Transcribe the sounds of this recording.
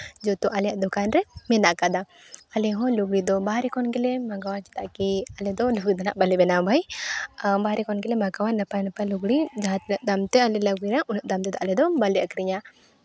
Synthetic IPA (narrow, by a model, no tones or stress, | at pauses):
d͡ʒɔt̪uʔalɛjaʔd̪ɔkanɾɛmɛnaʔkad̪a | ɐlɛɦɔ̃luɡɽid̪ɔbaɾɛkɔnkɛlɛmaɡawat͡ʃi̥t̪aʔkiɐlɛd̪ɔluɡɾid̪ɔna̰ʔbɐlɛbɛnabʱaj | baɾɛkɔnkɛlɛmaɡawanəpanpaluɡɽid͡ʒaɦt̪nəʔd̪amt̪ɛalɛləɡinaʔunəʔd̪amt̪ɛd̪ɔʔalɛd̪ɔbalɛʔəkɾiɲa